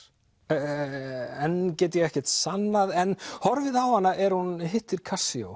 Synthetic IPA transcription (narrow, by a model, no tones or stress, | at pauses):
ɛncɛːt̪əjɛɣɛhcɛht̪sanːaðɛnhɔɾvɪðawhanːaʔɛɾhunhɪht̪ːɪɾ̥kʰasio̰w